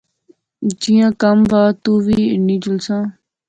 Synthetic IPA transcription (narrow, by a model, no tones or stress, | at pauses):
d͡ʒiːjãːkəmʋaːt̪uːʋiːnĩːd͡ʒʊlsãː